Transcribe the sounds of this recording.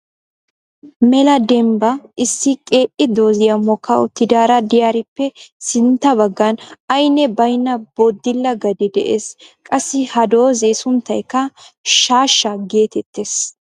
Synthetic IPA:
mɛlɐd̪ɛmbɐʔɪsːɪkʼe̞ːʔɪd̪oːzɪjɐmːɔkːɐʔʊt̪ːɪd̪aːɾɐd̪ɪjaːɾɪpːɛsɪnt̪ːɐbɐɡːɐnɐjnːɛbɐjnːɐbod̪ːɪlːɐɡɐd̪ɪd̪ɛʔeːskʼɐsːɪhɐd̪o̞ːzeːsʊnt̪ːɐjkːɐʃaːʃːɐɡe̞ːt̪ɛt̪ːeːs

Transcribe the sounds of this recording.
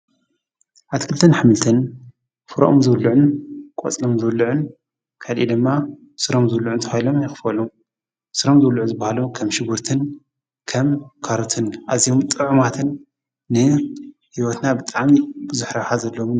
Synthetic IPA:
ʔaβt̪ʰkʰɨlɨt̪ʰɨnħamɨlt̪ʰɨn | fɨɾɐ̰ʔomzɨwlːuʕʊnkʼo̰t͡sʼlomzɨwlːɨʕun | kʰalʔḭd̪ɨmːa | sɨɾomzɨwlːuʕunt̪ʰɐfajlo̞mjɪxɨ̥fɐlum | sɨɾomzɨwlːuʕuzɨbːahalomkʰɐmʃɪɡuɾt̪ʰɨn | kʰɐmkʰaɾut̪ʰɨnʔaziomt̪ʼɨʕumat̪ʰɨnː | ɨ | hiwot̪nabɨt̪ʼaʕmibɨzuħɾɐħazɐlːom

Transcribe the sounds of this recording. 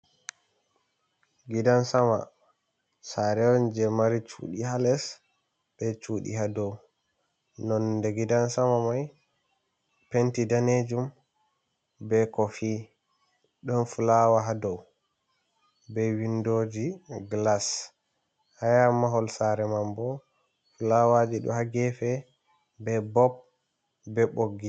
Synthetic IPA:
ɡidansama̰ | saɾɛɔnd͡ʒɛmaɾit͡ʃṵːɗihalɛs | bɛt͡ʃuɗḭɦadɔw | nɔndɛɡidansamamaj | pentidaned͡ʒum | bɛkɔfi | ɗɔnfulawaɦadɔw | bɛwindod͡ʒiɡlas | hajamaɦɔlsaɾɛmambɔ | fulawad͡ʒiɗɔ̰haɡɛfɛ | bɛbɔb̚ | bɛɓoɡːi

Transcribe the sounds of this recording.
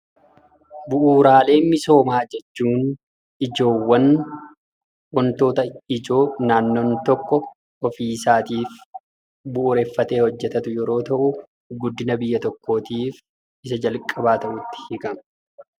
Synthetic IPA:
bʊʔuːɾaːle̞ːmɪso̞ːmaːd͡ʒɛt͡ʃːuːn | ʔɪd͡ʒo̞ːwːɐn | wɔnt̪o̞ːt̪ɐɪd͡ʒo̞ːnaːnːoːnt̪ɔkːɔ | ɔfiːsaːt̪iːf | bʊʔːɾeːfːɐt̪e̞ːhɔd͡ʒːɛt̪ɐt̪ʊjɛɾo̞ːt̪ɐʔʊ | ɡʊd̪ːɪnɐbɪjːɐt̪ɔkːo̞ːt̪iːf | ʔɪs̬ɐd͡ʒɐlkʼːɐbaːt̪ɐʔʊt̪ːɪ̥hɪkɐmɐ

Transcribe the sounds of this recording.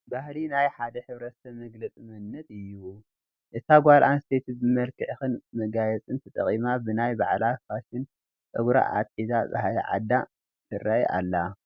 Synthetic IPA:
bahlinajħad̪ɐħɨβɾɐt̪ʰɐmɐɡlɐt͡sʼimɐnːɐt̪ʼɨjːu | ʔɨt̪ʰaɡʷalʔanst̪ʰet̪ʰbɨmɐlkɨʕxɨnmɐɡajɛt͡sʼɨnt̪ʰɨt̪ʼɐ̰χʼimabɨnajba̰ʕlafaʃɪn | t̪ʼɨɡɾa̰ʔa̰t̪ʼizaba̰hlɐ̰ʕa̰d̪a | t̪ʰɨrːaja̰lːa

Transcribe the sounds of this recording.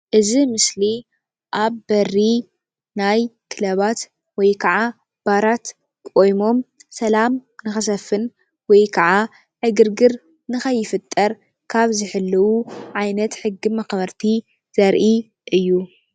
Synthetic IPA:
ʔɨzimɨsli | ʔaβbɐri | najkʰɨlɐβat̪ | wɔjkʰɐʕa | b̥aɾat̪ | kʼo̞jmo̞msɐlamnɨxɨs̬ɐfːɨn | wɔjkʰɐʕa | ʕɨɡɨɾɡɨɾ | nɨxɐjːɪfɨt̪ʼːɐɾ | kʰaβzɨħɨlːɐwuʕajnɐt̪ħɨɡːimɐxβɐɾt̪ʰi | z̥ɐɾʔi | ʔɨjːu

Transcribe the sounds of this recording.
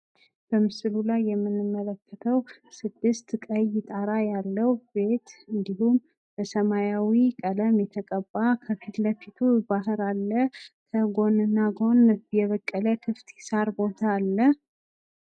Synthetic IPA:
b̥əmɨsɨlulajːɛmːɨnːɨmːələkːət̪ʰəwsɨd̪ːɨst̪kʼəjɪt̪ʼaɾajalːəwbe̞t̪ɨnd̪ihum | bəsəmajawikʼələmjɛt̪ʰəkʼəbːakʰəfit̪ləfit̪ʰubaɦɨɾalːəkʰəɡo̞nɨnːaɡo̞njɛβəkʼːələkʰɨft̪ɪsaɾbo̞t̪ʰaːlːə

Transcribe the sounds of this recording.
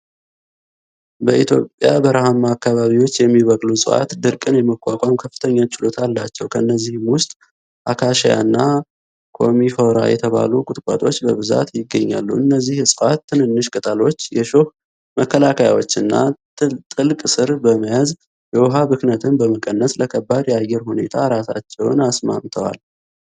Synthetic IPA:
bəʔit̪ʰjo̞pʼjabəɾahamːaːkːaβaβiwo̞t͡ʃːjɛmːiβəkʼlusʼɨʔa̰t̪d̪ɨɾkʼɨnjɛməkʷʼːakʷʼamkʰəfːɨ̥t̪ʰəɲːat͡ʃʼːɪlo̞t̪ʰalːat͡ʃːɛwkʰəɨnːəzːihmwʊst̪ʼ | ʔakʰaʃaja̰nːa | kʰo̞̰mifoɾa̰jɛ̰t̪ʰəβa̰lukʼʊt̪ʼkʼa̰t̪ʼo̞t͡ʃːbəβɨza̰t̪jɪɡːəɲːa̰lːṵɨnːəzːihsʼɨʔat̪ːɨnɨnːɨʃkʼɨt̪ʼəlo̞t͡ʃːjɛʃoh | məkʰːəlakʰajawo̰t͡ʃːɨnːa̰ | t̪ʼɨlkʼsɨɾbəməjaz | jɛwɔɦabɨknət̪ʰɨnbəməkʼənːəsləkʰəbːad̪jɛajːɛɾhune̞t̪ʰaɾasa̰t͡ʃːɛwnasma̰mt̪ʰəwa̰l

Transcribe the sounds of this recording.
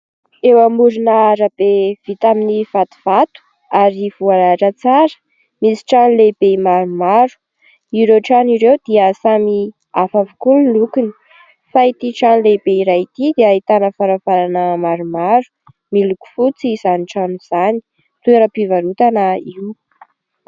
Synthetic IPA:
ewamuɾinaɾab̥ev̥it̪aminiv̥at̪u̥v̥at̪u̥ | aɾivualaʈ͡ʂət͡saɾə̥ | misi̥ʈ͡ʂanleb̥emaɾumaɾu̥ | iɾewʈ͡ʂaniɾewd̪̥iəsami | afavukullukuni̥ | fait̪iʈ͡ʂanlebeiɾajit̪id̪eait̪anəfaɾavaɾanəmaɾumaɾu̥ | miluku̥fut͡siz̥aniʈ͡ʂanuz̥ani̥ | t̪ueɾəpivaɾut̪anəiw

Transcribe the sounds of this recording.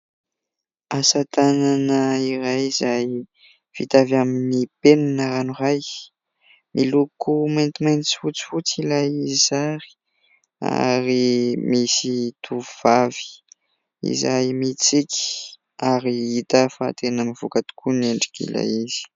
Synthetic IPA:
asat̪ananəiɾajizaj | v̥it̪avaminipenanəɾanuraj | milukʰumant̪imajnt͡si̥fut͡si̥fut͡silajizizaɾi̥ | a̰ɾimisit̪ʰuvuv̥avi̥ | ḭzajmit͡siki̥ | aɾiit̪əfat̪enəmiv̥ukat̪u̥kuneɳɖ͡ʐikḭla̰jizi̥

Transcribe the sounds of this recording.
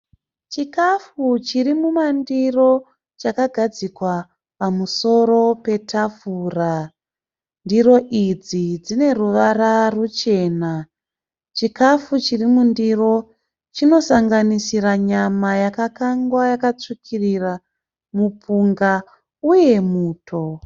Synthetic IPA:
t͡ʃikafut͡ʃirimumandiro̞ | t͡ʃakaɡʱad͡zikwa | pamuso̞ro̞pe̞tʰafuːra | ndiɾo̞ʔid͡zid͡zine̞ruʋaɾarut͡ʃe̞ːna | t͡ʃikafut͡ʃirimundiro̞ | t͡ʃino̞saŋɡanisiɾaɲamajakakaŋɡwajakat͡ʂikʰirira | mupʰuŋɡa | uje̞muːtʰo̞

